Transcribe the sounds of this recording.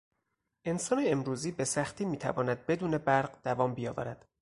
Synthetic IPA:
ʔe̞nsɒːneemɾuːziːbe̞sæxt̪ʰiːmiːt̪ʰæ̰vɒːnæd̪̚be̞d̪uːne̞bæɾɢd̪̥ævɒːmbijɒːvæ̰ɾæd̪̥

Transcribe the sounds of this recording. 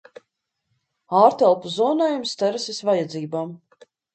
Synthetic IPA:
aːɾt̪ɛlˠpuzɔːnaːjumst̪ɛɾsisvajad̪ziːbaːm

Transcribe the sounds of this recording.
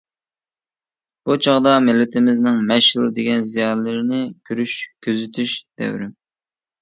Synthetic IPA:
b̥ut͡ʃʰɑʁd̪ɑmɪlːɪt̪ʰɪmɪznɪŋmɛʃulˠd̪eɡʲɛnzijɑnlɪɾɪnɪkʲʰyɾyʃkʲʰyzyt̪ʰyʃd̪̥ɛ̰wɾɪ

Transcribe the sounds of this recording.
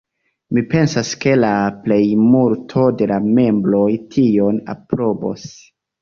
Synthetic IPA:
mipe̞nsaske̞laple̞jmuɾtʰo̞de̞lame̞mbɾo̞jtʰio̞na̰pɾo̞bo̞̰s

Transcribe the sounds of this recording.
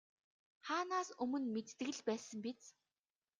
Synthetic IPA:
χaːnaːsɵmɵ̆nmet̪t̪ɘ̆ɣɘ̆ɮpæːsə̆mpit͡s

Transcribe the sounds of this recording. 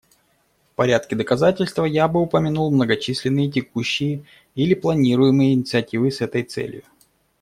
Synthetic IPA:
fpɐɾʲat̪kʲɪd̪əkɐzatʲɪlʲst̪vəjabɨʊpəmʲɪnulˠmnəɡɐt͡ɕisʲlʲɪnːɨjət̬ʲɪkuɕːɪjə | ilʲɪplˠɐnʲiɾʊjɪmɨjəɪnʲɪt̪sɨɐtʲivɨsɛt̪əjt̪sɛ̰lʲjʊ̰

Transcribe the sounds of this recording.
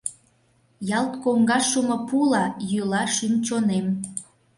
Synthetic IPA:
jɑlt̪koŋɡɑʃumopulɑjylɑʃymt͡ɕonem

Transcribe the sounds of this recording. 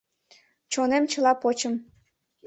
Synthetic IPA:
t͡ɕonemt͡ɕə̆lˠɑpot͡ɕəm

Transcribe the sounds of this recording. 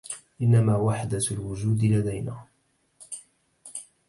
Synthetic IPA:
ʔɪnːamaːwaħd̪alwʊd͡ʒuːd̪lad̪ajnaː

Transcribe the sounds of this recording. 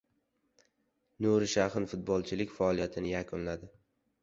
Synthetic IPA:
nuɾɪʃahɪnfʊt̪̚bɒlˠt͡ʃʰɪlɪkʲfaɒlˠijat̪ʰɪnɪjakʰʊnlad̪ɪ

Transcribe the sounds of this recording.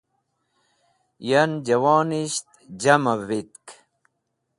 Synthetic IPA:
jand͡ʑawɑːniɕt̪ | d͡ʑamavit̪k

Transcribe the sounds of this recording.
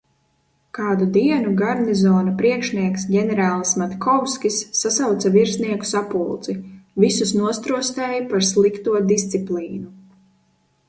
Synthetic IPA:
kaːd̪ud̪iɛnuɡaɾnizɔːnapɾiɛkʃniɛksɟʲɛnɛɾaːlˠsmat̪kʰɔwskʲisːasawt̪saviɾsniɛku̥sapulˠt̪zivisusnuɔst̪ɾuɔst̪ɛːjipaɾslˠikt̪uɔd̪ist̪siplˠiːnu

